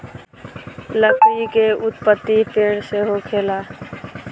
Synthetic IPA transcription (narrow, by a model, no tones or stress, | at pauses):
ləkʰɾikeʊt̪pət̪ːipeːɽseːɦoːkʰeːlaː